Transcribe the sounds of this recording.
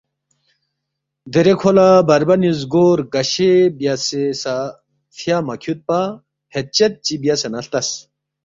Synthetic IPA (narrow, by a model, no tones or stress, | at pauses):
d̪eɾekʰolabɐɾbɐnjuzɡoːɾɡɐɕebjasesa | fʰjamɐkʰjut̪̚pa | het̪̚t͡ɕɐt̪̚t͡ɕibijasɐnɐɬt̪ɐs